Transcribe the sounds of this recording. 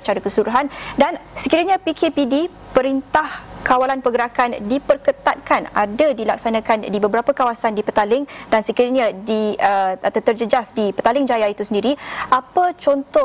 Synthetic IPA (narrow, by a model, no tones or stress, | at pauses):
sə̥t͡ʃaɾakəsuɾuɦandansəkiɾaɲãpikʰepidi | pəɾint̪ahkawalanpəɡəɾakandipərkət̪at̪̚kana̰dadilak̚sanãkandibəbəɾapəkawasandipət̪alɪŋdansəkiɾaɲadiəat̪at̪ərd͡ʒəd͡ʒasdipət̪alɪŋd͡ʒajait̪usəndiɾiʔapət͡ʃɔnt̪ɔ